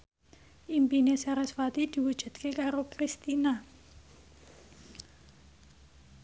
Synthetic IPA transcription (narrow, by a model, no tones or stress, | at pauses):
ʔimpinesaɾasfat̪id̪̥i̤wud̥ʒ̥ṳt̪̚kekaɾokɾist̪ina